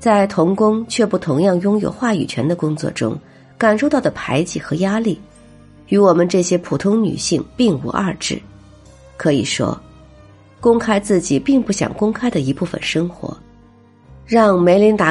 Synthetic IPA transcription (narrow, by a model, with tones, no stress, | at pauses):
t͡sa˥˩ɪt̪ʰʊ˧˥ŋkʊ˥ŋt͡ɕʰɥɛ˥˧pu˥˩t̪ʰʊ˧˥ŋjɑ˥˩ŋjʊ˥ŋjo̰˨˩ʊxwa˥˩y̰˨˩t͡ɕʰɥɛ̰˧˥nd̪ə˧kʊ˥ŋt͡swɔ̰˥˩ʈ͡ʂʊ̰˥ŋ | ka˨˩nʂo˥˧ʊt̪ɑ˥˩ʊd̪ə˩pʰa˧˥ɪt͡ɕi˥˩xɤ˧˥ja˥li˥˩ | y˧˥wɔ˨˩mə˧nʈ͡ʂɤ˥˩ɕjɛ˥pʰu˨˩t̪ʰʊ˥ŋny̰˨˩ɕi˥˧ŋpi˥˩ŋṵ˧˥ʔɐ̰˥˧ʈ͡ʂɻ̩˥˩ | kʰɤ˧˥ḭ˨˩ʂwɔ̰˥ | kʊ˥ŋkʰa˥ɪt͡sɹ̩˥˩t͡ɕi˨˩pi˥˧ŋpu˥˩ɕjɑ̰˨˩ŋkʊ˥ŋkʰa˥ɪd̪ə˨i˧˥pu˥˩fə̰˨˩nʂɤ˥ŋxwɔ̰˧˥ | ɻɑ˥˩ŋme˧˥ɪli˧˥ŋt̪a˧˥